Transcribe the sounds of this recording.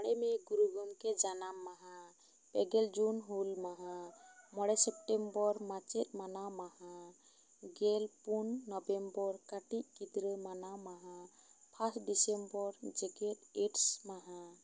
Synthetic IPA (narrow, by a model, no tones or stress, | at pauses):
mɔɽɛmɛɡuɾuɡɔmkɛd͡ʒanamːaɦã | pɛɡɛld͡ʒunɦulmaɦãmɔɽɛsɛp̚ʈɛmbɔɾmat͡ʃɛt̪̚manamahã | ɡɛlpunːɔbɛmbɔɾkaʈiʔ̚kid̪ɾəmanamaɦãpʰasɖisembɔɾd͡ʒɛɡɛt̪eʈsmaɦã